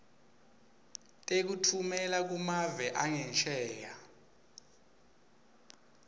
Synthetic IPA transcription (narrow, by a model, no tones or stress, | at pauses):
tʼek̬utʰumɛlak̬umavɛʔaŋɛnt͡ʃʼɛːja